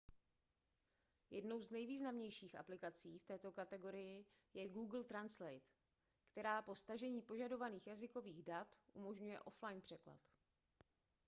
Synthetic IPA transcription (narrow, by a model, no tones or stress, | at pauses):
jɛ̰dno̞wznɛjviːznamɲɛjʃiːxʔa̰plɪkat͡siːft̪ɛːt̪o̞kat̪ɛɡo̞ɾɪjɪ | jɛɡuːɡl̩t̪ɾanslɛjt̪ | kt̪ɛɾaːpo̞st̪aʒɛɲiːpo̞ʒado̞vaniːxjazɪko̞viːɣdat̪ʔumo̞ʒɲujɛ̰ʔo̞flajnpr̥ɛkla̰t̪